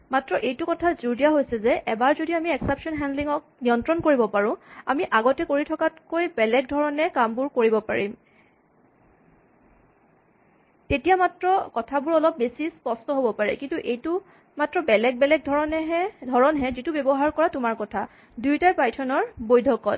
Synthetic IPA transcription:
matɹɔʔejtukɔtʰazuɹdiaɦojsɛzɛʔɛbaɹzodiamiɛksɛpsɔnɦɛndliŋɔk̚niɔntɹɔnkoɹibɔpaɹʊ̃a̰miʔaɡɔtɛkoɹitʰɔkatkojbɛlɛɡ̚dʱɔɹɔnɛkambʊɹkoɹibɔpa̰ɹim | tetijamatɹɔkɔtʰabʊɹɔlɔp̚besispɔstɔɦobɔpaɹɛ̰kintuʔejtʊ | matɹɔbɛlɛk̚bɛlɛɡ̚dʱɔɹɔnɛɦɛdʱɔɹɔnɦɛzitubjɔbɔɦaɹkɔɹatʊmaɹkɔtʰa | dujtapɹajtʰɔnɔɹbojdʱɔkɔt̚

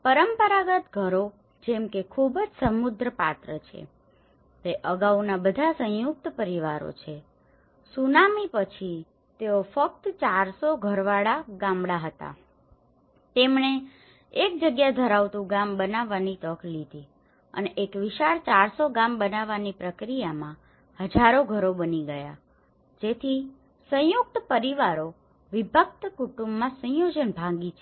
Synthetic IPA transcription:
pəɾəmpəɾaɡət̪ɡʱəɾo | d͡ʒemkekʰubd͡ʒsəmud̪ʱɾəpat̪ɾət͡ʃʰḛ | t̪eʔəɡaunabəd̪ʱasə̃juk̚t̪pəɾiʋaɾo̰t͡ʃʰe | sunamipət͡ʃʰi | t̪eofək̚t̪t͡ʃaɾsoɡʱəɾʋaɭaɡãmbɽaɦət̪a̰ | t̪emɳe | ek̚d͡ʒəɡjad̪ʱəɾaʋt̪ũɡambənaʋːanit̪ɔklid̪ʱi | ə̰neʔekʋiʃaɾt͡ʃaɾsoɡãmbənaʋːanipɾəkɾijamã | həd͡ʒʱaɾoɡʱəɾobəniɡəja̰ | d͡ʒet̪ʰi | sə̃juk̚t̪pəɾiʋaɾo | ʋibʱək̚t̪kuʈumbmãsə̃jod͡ʒənbʱãɡit͡ʃʰe̥

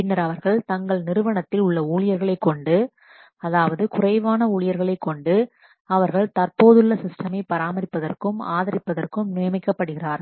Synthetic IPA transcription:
pɪnːɐɾɐʋɐɾɣɐɭt̪ɐŋɡɐɭnɪɾɯʋɐɳɐt̪ːɪlʊɭːɐuːɻɪjɐɾɣɐɭɐɪkːɔɳɖɯ | ɐðaːʋɐðɯkʊrɐɪʋaːnɐuːɭɪjɐɾɣɐɭɐɪkːɔɳɖɯ | ɐʋɐɾɣɐɭt̪ɐrpoːðɯɭːɐsɪsʈɐmɐɪpɐɾaːmɐɾɪpːɐðɐrkɯma̰ːðɐɾɪpːɐðɐrkɯmnɪjɐmɪkːɐpːɐɽɯɣɪraːɾ

